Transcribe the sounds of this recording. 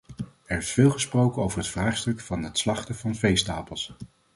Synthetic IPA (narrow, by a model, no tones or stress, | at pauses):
ɛɹɪsfɪːlˠχəsprowkənowvəɹɦətfraːχstɵkfɑnətslɑχtəvɑnvejstaːpəlˠs